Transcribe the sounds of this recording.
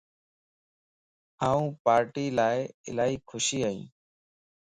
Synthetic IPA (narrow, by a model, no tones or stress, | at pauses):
aːũːpaːɾʈiːlaːɪɪ̰laːɦiːkʰʊʃiːaːḭ̃ː